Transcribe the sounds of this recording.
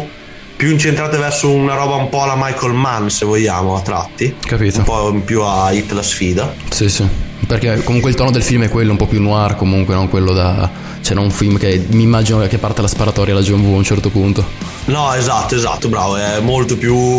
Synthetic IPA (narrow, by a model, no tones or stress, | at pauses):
pjuint͡ʃent̪ɾaːt̪evɛrsounaɾɔːbaumpɔalamajkolmansevoʎːaːmoat̪ːɾa̰t̪ːikapiːt̪opɔimpjuait̪ːlasfiːd̪asisiperkekːomuŋkweilt̪ɔːnod̪elfilmɛkːwelːoumpɔpjunːwarkomuŋkwenɔŋkwelːod̪a | t͡ʃɛnɔnuɱfilmkemiːmːaːd͡ʒinoakepːart̪alaspaɾat̪ɔɾjalad͡ʒiɛmvuaunt͡ʃɛrt̪opunt̪o | nɔezat̪ːoeza̰t̪ːobɾa̰ːvoɛmːolt̪opju